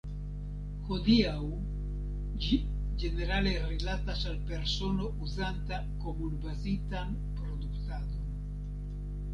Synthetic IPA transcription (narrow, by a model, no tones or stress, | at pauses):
xod̪iaw | d͡ʒi | d͡ʒeneɾalerelat̪asalpeɾsonouzant̪a | komunbazit̪an | pɾod̪ukt̪ad̪on